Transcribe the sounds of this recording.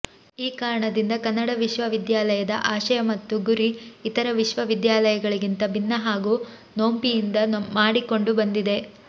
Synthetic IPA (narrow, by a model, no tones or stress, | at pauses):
iːkaːɾɐɳɐd̪ind̪ɐkɐnːɐɽɐʋiʃʋɐʋid̪jaːlɐjɐd̪ɐ̰ʔaːʃɐjɐmɐt̪ːuɡuɾiːt̪ɐɾɐʋiʃʋɐʋid̪jaːlɐjɐɡɐɭiɡint̪ɐbinːɐɦaːɡuː | no̞ːmpijind̪ɐmaːɽiko̞ɳɖubɐnd̪id̪e̞